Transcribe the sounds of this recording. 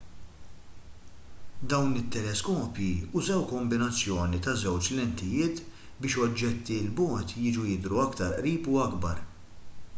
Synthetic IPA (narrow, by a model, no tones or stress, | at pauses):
d̪ɐwnɪt̪ːɛlɛskɔːpjiʊzɛwkɔmbɪnɐt͡sːjɔːnit̪ɐzɛwt͡ʃlɛnt̪ɪjɪːt̪ | bɪːʃɔd͡ʒːɛt̪ːilbɔːt̪jɪːd͡ʒujɪd̪ɾuɐkt̪ɐɾʔɾiːpʊɐɡbɐ̰ɾ